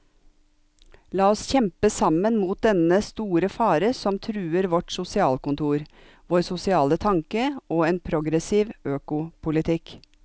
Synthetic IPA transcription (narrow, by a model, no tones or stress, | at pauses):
lɑːɔsçɛmpəsɑmənmuːt̪̚d̪ɛnəst̪uːɾəfɑːɾəsɔmt̪ʰɾʉːəɾʋɔʈsʊsɪɑːlkʊnt̪ʰuːɾ | ʋoːɾsʊsɪɑːlət̪ʰɑŋkəoːeːnpʰɾʊɡɾɛsiːʋøːkʊpʰʊlɪt̪ʰɪk